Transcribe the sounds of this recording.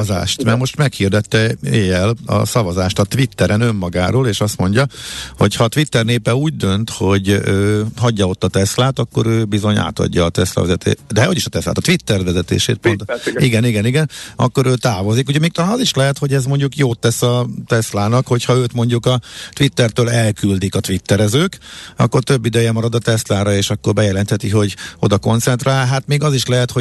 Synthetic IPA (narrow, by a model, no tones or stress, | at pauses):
za̰ːʃt̪mɛrmo̞ʃt̪mɛkhird̪ɛt̪ːɛeːjɛlɒ̰sɒvɒzaːʃt̪ɒt̪ʋit̪ːɛɾɛnømːɒɡa̰ːɾoːleːʃɒst̪mo̞ɲɟɒho̞̰chɒːt̪ʋit̪ːɛrneːpɛuːɟd̪ø̞nt̪ho̞ɟøːɦɒɟːɒo̞t̪ːɒt̪ɛslaːt̪ɒkːo̞ɾøːbizo̞ɲa̰ːt̪ɒ̰ɟːɒːt̪ɛslɒ̰vɛzɛt̪ḛːd̪ɛhoɟiʃɒt̪ɛsla̰ːt̪ɒ̥t̪ʋit̪ːɛrd̪vɛzɛt̪ḛːʃḛːt̪̚pont̪iɡɛniɡɛniɡɛnɒ̰kːo̞ɾøːt̪aːvo̞zikuɟɛmeːkt̪ɒlaːnɒziʃlɛɦɛt̪ho̞ɟɛzmo̞ɲɟukjoːt̪ːɛsɒt̪ɛslaːnɒkho̞chɒøːt̪mo̞ɲɟukɒt̪ʋit̪ːɛrt̪øːlɛlkyld̪ikɒt̪ʋit̪ːɛɾɛzøːkɒ̰kːo̞rt̪øbːid̪ɛjɛmɒɾɒd̪ɒt̪ɛslaːɾɒeːʃɒkːo̞rbɛjɛlɛnt̪hɛt̪iɦo̞ɟo̞d̪ɒko̞nt̪sɛnt̪raːlɦaːt̪meːɡɒziʃlɛɦɛt̪ho